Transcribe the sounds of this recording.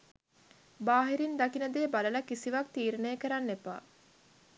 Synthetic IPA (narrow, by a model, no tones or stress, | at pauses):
baːɦiɾind̪akinəd̪eːbalələkisiʋak̚t̪iːɾenəjəkəɾanːepa̰ː